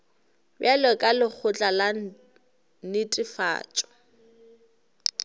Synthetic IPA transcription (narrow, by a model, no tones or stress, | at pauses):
bjalɛkʼalɪk͡xʰʊt͡ɬʼala | nɪtʼɪfa̰ːt͡ʃʼɔ̥